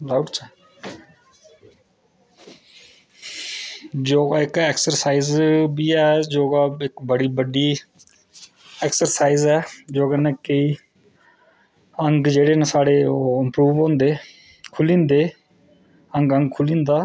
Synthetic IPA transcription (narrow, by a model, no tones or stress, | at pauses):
laʊʈt͡ʃa | d͡ʒoːɡaːɪkɛːksəɾsaːiːzbiːɛːd͡ʒoːɡaːɪkbəɽiːbəɖiː | ɛːksəɾsaːiːzɛːd͡ʒoːɡaːnɛkeiː | əŋɡd͡ʒeːɽeːnẽːsaːɽeːoːɪmpɾuːʋõːnd̪eː | kʰʊlĩːnd̪eː | əŋɡə̃ŋɡ̚kʰʊlĩːnd̪aː